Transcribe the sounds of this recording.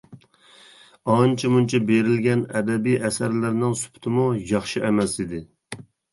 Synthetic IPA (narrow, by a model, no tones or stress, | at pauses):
ɑnt͡ʃʰimunt͡ʃʰɛbeɾɪlɡʲɛnɛd̪ɛbijʔɛsæɾlɪɾnɪŋsy̥pʰt̪ʰɪmujɑχʃiʔɛmɛsid̪ɪ